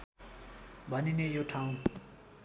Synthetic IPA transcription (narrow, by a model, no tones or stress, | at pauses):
bʱaninejoʈʰaũ